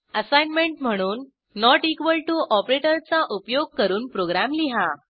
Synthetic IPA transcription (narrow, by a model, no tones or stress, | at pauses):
əsajnmeɳʈm̤əɽ̃uːnː | ɔʈikʋəlʈuʔɔpɾeʈəɾt͡saʔupjoɡ̚kəɾuːnpɾoɡɾamliɦa